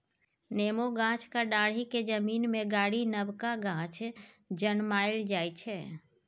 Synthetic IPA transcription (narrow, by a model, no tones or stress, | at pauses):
neːmoɡãːt͡ʃkaɖãːɽ̤iked͡ʒəmiːnmẽɡaːɽinəbkaɡãːt͡ʃʰ | d͡ʒənmaːɪld͡ʒaːit͡ʃʰɛː